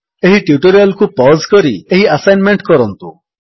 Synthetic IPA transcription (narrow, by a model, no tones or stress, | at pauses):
eɦiʈjuʈoɾialkupɔzkɔɾieɦiasajnmeɳʈkɔɾɔnt̪u